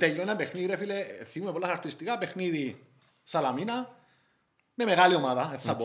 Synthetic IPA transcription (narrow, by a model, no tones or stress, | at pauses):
t̪eʎonapexniɾefileθimumepolːasaɾt̪ɾist̪ikapexniði | salamĩna | memeɣaljomaðaeθapo